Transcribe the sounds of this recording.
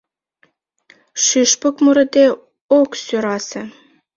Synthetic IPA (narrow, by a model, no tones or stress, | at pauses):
ʃyʃpokmuɾɤ̆d̪e | oksyɾɑsĕ